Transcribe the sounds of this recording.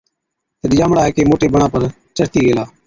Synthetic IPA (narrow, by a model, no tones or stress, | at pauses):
t̪əɗjãːmɽaːɦeːkeːmoːʈeːbəɳaːpəɾ | t͡ʃəɽt̪iːɡeːlaː